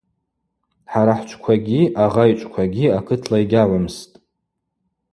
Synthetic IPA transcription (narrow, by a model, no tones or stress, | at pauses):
ħaɾaħʷt͡ʃʷʰkʷʰaɡʲiʔaʁajt͡ʃʷʼkʷʰaɡʲiakʰɨtʰlaiɡʲaʕʷamstʼ